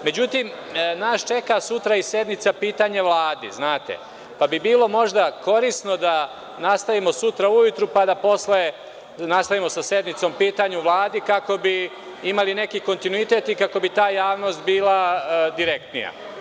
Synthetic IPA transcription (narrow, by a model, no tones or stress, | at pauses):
me̞d͡ʑut̪imnaːʃt͡ʃe̞kasut̪ɾaise̞d̪nit̪sapiːt̪aɲaʋlˠaːd̪iznaːt̪ḛ | pabibiːlo̞mo̞ʒd̪ako̞ɾisno̞d̪a | nast̪aʋimo̞sut̪ɾaujut̪ɾupad̪apo̞sle | nast̪aʋimo̞sase̞d̪nit̪so̞mpiːt̪aɲuʋlˠaːd̪ikako̞bi | imaline̞kiko̞nt̪inuit̪e̞t̪ikako̞bit̪aːjaːʋno̞st̪̚biːlad̪iɾe̞k̚t̪nija̰